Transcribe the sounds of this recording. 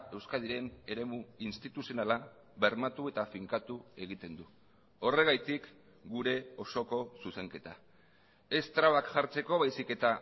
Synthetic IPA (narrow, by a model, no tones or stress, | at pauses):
e̞wskað̞iɾe̞ne̞ɾe̞muinst̪it̪usio̞nala | βe̞ɾmat̪ue̞t̪afiŋkat̪ue̞ɣ̞it̪e̞nd̪u | o̞re̞ɣajt̪ik | ɡuɾe̞o̞so̞ko̞suse̞ŋke̞t̪a | e̞st̪ɾaβakʝaɾt͡se̞ko̞βajsike̞t̪a